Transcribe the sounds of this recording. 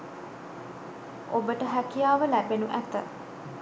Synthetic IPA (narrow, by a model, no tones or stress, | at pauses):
ʔobəʈəɦækijaːʋəlæbenuʔæt̪ə̰